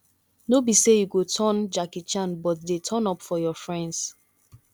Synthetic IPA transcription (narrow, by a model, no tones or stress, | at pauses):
nobisejuɡotʰɔ̃nd͡ʒakit͡ʃãnbɔtdetʰɔ̃nɔpfɔjɔfɹɛ̃nds